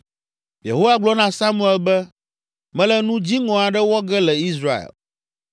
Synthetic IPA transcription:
jḛ˨ɦo˦wa˦˨ɡ͡blɔ˦nã˨sa˦mũ˦ɛ˦lbɛ˦ | mɛ̃˦lɛ˦nũ˦d͡ʑi˦ŋɔ̃˨a˨ɖɛ˦wɔ˦ɡɛ˦lɛ˨i˦sɾa˦ḛ˨l

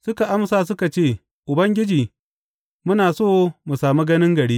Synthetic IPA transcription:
sʊ˦ka˨ʔa˦msaː˨s̬ʊ˦ka˨t͡ʃeː˦˨ | ʔʊ˨bɐ˦ŋɡʲɪ˦d͡ʒiː˨ | mʊ˦naː˨soː˦mu˨saː˨mu˦ɡɐ˦nɪ˦ŋɡɐ˨ɽiː˦

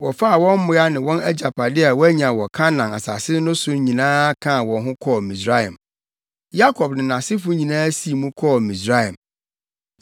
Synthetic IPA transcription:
wɔ˨fa˦a˨wɔ̃˦m˦mʊ̃˦ja˦nɪ̃˨wɔ̃˦næ˦d͡ʑa˨pʰa˨dɪ˦a˨wɔ˦æ˦ɲã˨wɔ˨kʰa˦nã˨na̰˨sa̰˨sɪ˦nʊ̃˦sʊ˦ɲĩ˨nãː˦kʰã˦˨wɔ̃˨nɦʊ̃˦kʰɔ˦˨mĩ˨sɾa˦ã̰˨m | ja˦kʰɔ˨bnɪ̃˨nã˨sɪ˦fʊ˦ɲĩ˨nãː˦si˦˨mũ˦kʰɔː˦˨mĩ˨sɾa˦jã˨m

